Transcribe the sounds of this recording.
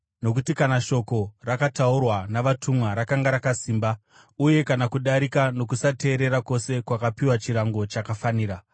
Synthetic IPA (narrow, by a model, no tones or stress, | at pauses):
no̞kutikanaʃo̞ko̞rakataurwanaʋatumwaɾakaŋɡaɾakasiːmba | uje̞kanakuɗaɾikano̞kusate̞ːɾe̞ɾako̞se̞kwakapiwat͡ʃiɾaŋɡo̞t͡ʃakafaniːɾa